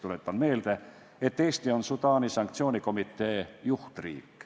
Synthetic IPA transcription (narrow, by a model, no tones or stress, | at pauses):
t̪ulet̪ːɑnmeːlt̪æ | et̪ːeːst̪ionsut̪ɑːnisɑŋkt̪sioːnikomit̪ːeːjuht̪rḭːkː